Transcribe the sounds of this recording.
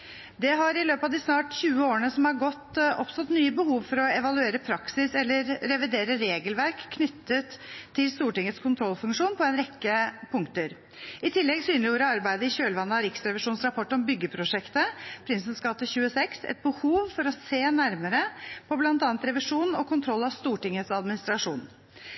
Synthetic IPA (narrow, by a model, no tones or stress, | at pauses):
d̪ɛɦɑɾɪløːpɑʋd̪ɪsnɑːʈçʉːəoːɾənəsɔmhɑɾɡɔt̪ɔ̰pst̪ɔt̪nyːəbəhuːʋfɔɾɔɛʋɑlʉeːɾəpʰɾɑksɪsɛlːəɾɾɛʋɪd̪eːɾəɾeːɡəlʋæɾkʰːnʏt̪ːət̪ʰːɪlst̪uːʈɪŋːət̪skʰʊnt̪ʰɾɔlfʉŋkʂuːnpʰɔɛnɾɛkːəpʰʊŋkt̪əɾ | ɪt̪ʰɪlːɛɡsyːnlɪuːɾəɑɾbæɪd̪əɪçøːlʋɑnːəɑɾɪksɾɛʋɪʂuːnsɾɑpʰɔʈːɔmbʏɡːəpʰɾʊʂɛkt̪əpʰɾɪnsənskɑt̪ːəçʉːəsɛksɛ̰t̪̚bəhuːʋfɔɾɔseːnæɾməɾəpʰɔblɑnt̪ɑːnt̪ɾɛʋɪʂuːnɔkʰʊnt̪ʰɾɔlːɑʋst̪uːʈɪŋːət̪sɑd̪mɪnɪst̪ɾɑʂṵːn